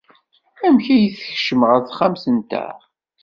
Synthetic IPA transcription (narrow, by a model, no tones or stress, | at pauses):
æmçæjəθə̥çʃəməʁæθχamθənt̪æ̰